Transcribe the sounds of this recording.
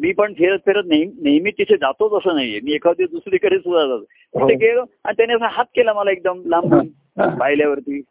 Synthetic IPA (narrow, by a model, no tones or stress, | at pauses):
miːpəɳfʰeɾət̪fʰeɾət̪̚nejmnejmit̪ːit̪ʰed͡zat̪ot͡səsəːnaɦjemiːekʰad̪ed̪usɾiːkəɽesud̪ʱad͡z̪at̪ | t̪it̪ekeloaɽ̃it̪janiəsãɦat̪̚kelaməlaek̚d̪əmlambʱən | paɦiljaʋəɾt̪iː